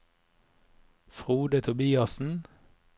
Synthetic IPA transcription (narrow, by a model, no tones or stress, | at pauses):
fʁuːd̪ət̪ʰʊbiːɑsn̩